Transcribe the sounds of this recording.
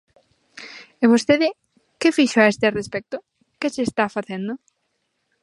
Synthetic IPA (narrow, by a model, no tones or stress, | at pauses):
eβ̞ost̪eðɪ | kɪfiʃoaest̪ɪrespɛk̚t̪ʊ | kɪsɪːst̪afaθend̪ʊ